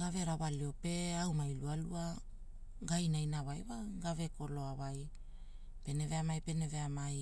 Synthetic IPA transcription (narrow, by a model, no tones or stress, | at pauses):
ɡave̞ɾawalio̞pe̞awmajlualua | ɡajnajnawajwaɡave̞ko̞lo̞awaj | pe̞ne̞ve̞amajpe̞neve̞amaj